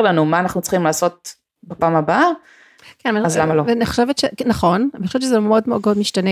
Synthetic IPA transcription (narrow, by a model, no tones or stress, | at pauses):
ʁlanumaːnaχnut͡sχimlaːso̞t̪̚ | bapaːmaba | kɛnveaazlamaloveaniχo̥ʃevet̪ʃenɐχo̞nanixoʃet̬t͡ʃʃezemeo̞dmeo̞dmodmiʃtane